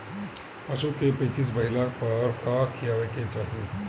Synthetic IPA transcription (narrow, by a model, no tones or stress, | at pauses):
pəsukepeːt͡ʃis̬bɐɦɪlapɐɾkakʰijaʋeket͡ʃaːɦiu